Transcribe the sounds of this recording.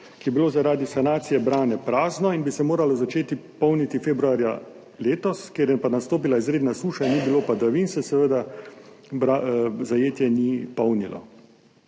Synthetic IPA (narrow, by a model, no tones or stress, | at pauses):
kijɛbiloːzaɾaːd̪isanaːt̪sijɛbɾaːnɛpɾaːznɔinbisɛmoːɾalɔzat͡ʃeːt̪ipɔwnit̪ifeːbɾuaːɾja̰ | leːt̪ɔskeːɾjɛpanast̪oːp̬ilaizɾeːd̪nasuːʃanibilopad̪aʋinsɛsɛʋəd̪a | bɾazajeːt̪jɛnipɔwnilɔ̰